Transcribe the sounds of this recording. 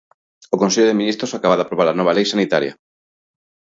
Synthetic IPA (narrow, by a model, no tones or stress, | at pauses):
okonseʎoðeminist̪ɾosakaβaðapɾoβaɾanɔβ̞alejsanit̪aɾja̰